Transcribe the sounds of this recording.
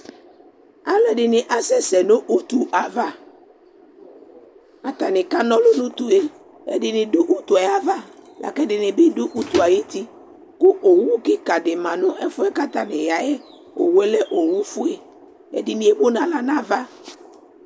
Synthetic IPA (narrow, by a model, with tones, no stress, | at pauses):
a˦lɛ˨ɖɪ˨nɪ̃˨ʔa˦sɛ˦sɛ˨nõ˦ʔu˦t̪u˨ʔa˨va˦ | a˨t̪a˨nɪ̃˨ka˦nɔ̃˦lo˦nʊ̃˦t̪u˨e˦ | ɛ̰˨dɪ˨nɪ̃˨dʊ˦ʔu˦t̪u˨a˨ja˨va˦lʔa̰˨kɛ˦dɪ˨nɪ̃˨bɪ˦dʊ˦ʔu˦t̪u˨a˨je˦t̪i˦ | kʊ˦ʔo˨wu˦kɪ˦ka˨dɪ˨mã˨nʊ̃˦ʔɛ˦fʊ˦ɛ˦ka˦t̪a˨nɪ̃˨ja˨jɛ˦ | o̰˨wɛ˦lɛ˦ʔo˨wu˦fʊ˦e˦ | ɛ̰˨dɪ˨nɪ̃˦e˦bo˦nã˨la˨nã˦va˦